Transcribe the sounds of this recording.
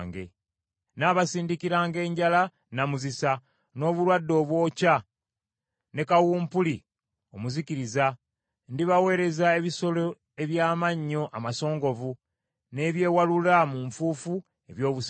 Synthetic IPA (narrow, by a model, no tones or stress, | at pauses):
ŋɡe̞̰ | naːβasiːndikiɾaːŋɡe̞ːɲɟala | namuzisa | no̞ːβuɾwadːo̞ːβwo̞ːca | ne̞kawuːmpuli | o̞muziciɾiza | ndiβawe̞ːɾe̞zae̞βiso̞lo̞ | e̞βjaːmaɲːo̞ʔamaso̞ːŋɡo̞vu | ne̞βje̞ːwalulamuɱfuːfu | e̞βjo̞ːβus